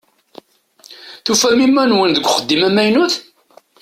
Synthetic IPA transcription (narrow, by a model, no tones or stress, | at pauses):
θufæmimːænwənðəɡʷːχəd̪ːimæmæjnuθ